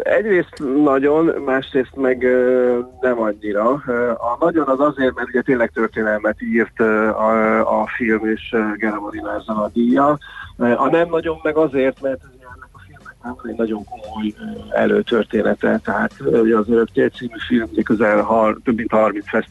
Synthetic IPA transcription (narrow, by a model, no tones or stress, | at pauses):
ɛɟreːst̪nɒɟo̞nmaːʃreːst̪mɛɡ | nɛmɒɲːiɾɒɒnɒɟo̞nɒzɒzeːrt̪mɛrt̪uɟɛt̪eːnlɛk̚t̪ø̞rt̪eːnɛlmɛt̪iːrt̪ | ɒfilmeːʃɡɛɾɛmonilaːrzɒlɒd̪ijːɒʔɒnɛmnɒɟo̞mːɛɡɒzeːrt̪mɛrt̪uuɛɛnːɛkɒfilmɛknaːvonɛɟnɒɟo̞ŋko̞mojɛ̰løːt̪ørt̪eːnɛt̪ɛt̪ɛɦaːt̪uɟɛɒzøɾøkt̪eːlt̪siːmyfilmuɟɛkø̞zɛlɦɒrt̪øbːint̪hɒrminsfɛs